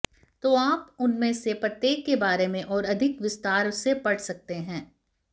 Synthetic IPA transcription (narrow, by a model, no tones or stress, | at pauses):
t̪oaːpʊnmẽsepɾɐt̪jeːkːebaːɾemẽʔɔːɾɐd̪ʱɪkʋɪst̪aːɾsepɐɽsɐk̚t̪eɦɛ̃ː